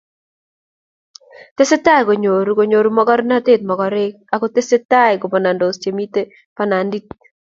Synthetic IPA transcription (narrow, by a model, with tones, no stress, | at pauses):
te˦se˦ta˦˨ɡo˨ɲo˨ɾu˨ɡo˨ɲo˨ɾu˦mɔ˦ɡɔ˦ɾna˦t̪e˦˨t̪̚mɔ˨ɡɔ˦ɾɪ˦k | a˨kɔ˦te˦se˦ta˦ɪ˨ɡʊ˨pɔ˨na˨ndo˨st͡ʃe˨mi˦te˦ | pa˦na˨ndi˦t̚